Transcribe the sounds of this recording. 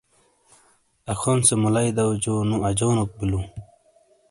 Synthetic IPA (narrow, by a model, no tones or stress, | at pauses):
axʰonsemulajd̪awd͡ʑonuad͡ʑoːnok̚bilu